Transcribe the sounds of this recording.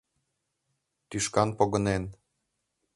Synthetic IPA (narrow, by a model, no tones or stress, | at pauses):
t̪yʃkɑnpoɡɤ̆nen